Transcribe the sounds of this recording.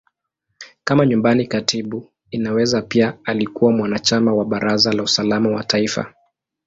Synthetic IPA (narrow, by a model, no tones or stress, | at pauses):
kamaɲumbanikatʰiɓu | inawɛzapiaalikuwamwanat͡ʃamawaɓaɾazalausalamawataifa̰